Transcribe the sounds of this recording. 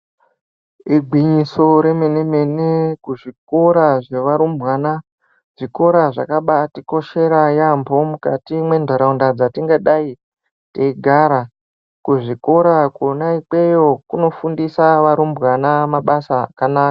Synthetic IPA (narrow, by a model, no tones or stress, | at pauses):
iɡʱwiɲiso̞ɾe̞me̞ne̞me̞nekuʐikoɾaʐe̞ʋaɾumbwaːna | ʐ̥iko̞ɾaʐa̰kaɓatiko̞ʃe̞ɾajambʱo̞mukatimwe̞ndʱaɾaundad͡zatiŋɡaɗai | teiɡʱaːɾa | kuʐiko̞ɾakonaik͡pe̞jo̞kuno̞fundisaʋaɾumbwanamaɓasakanaːka